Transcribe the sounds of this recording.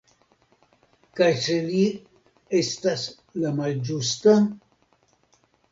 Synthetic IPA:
kajseli | est̪as | lamald͡ʒust̪a

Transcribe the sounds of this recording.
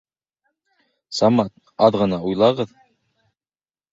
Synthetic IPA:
sɑmɑt̪̚ | ɑðʁɤ̆nɑujlˠɑʁɤð

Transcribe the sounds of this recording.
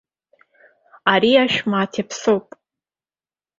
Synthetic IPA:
aɾiaʃᶣmaːtʰepʰsowpʼ

